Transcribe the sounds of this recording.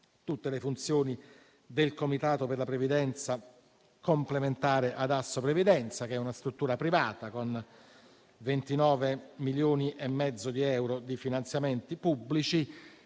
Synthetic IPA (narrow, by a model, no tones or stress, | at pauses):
t̪ut̪ːelefunt̪sjoːni | d̪elkomit̪aːt̪operlapɾevid̪ɛnt̪sa | komplement̪aːɾeʔad̪asːopɾevid̪ɛnt̪sak̟ɛunast̪ɾut̪ːuːɾapɾivaːt̪akon | vent̪inɔːvemiljoːniʔemːɛd̪zːod̪iɛwɾod̪ifinant̪sjament̪ipubːlit͡ʃi